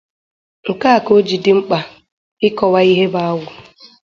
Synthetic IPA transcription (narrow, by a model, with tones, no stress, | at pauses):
ŋ̩˨ka˦a˨ko˦d͡ʒi˨dɪ˨˦ŋ͡m̩˦k͡pa˨ | ɪ˦kɔ˨wa˦i˦ɦe˦ba˦wʊ˨